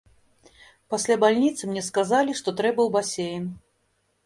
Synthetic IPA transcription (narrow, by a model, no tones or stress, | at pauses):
pasʲlʲabalʲnʲit̪sɨmnʲɛskazalʲiʂt̪ɔt̪ɾɛbɐwbasʲejn